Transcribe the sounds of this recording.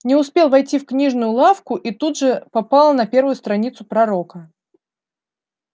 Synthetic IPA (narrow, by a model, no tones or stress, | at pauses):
nʲɪʊspʲe̞lˠvɐjtʲifknʲiʐnʊjʊlˠafkʊʔit̪ud̪ʐɨpɐpalˠənɐpʲe̞rvʊjʊst̪ɾɐnʲit̪sʊpɾɐɾo̞kə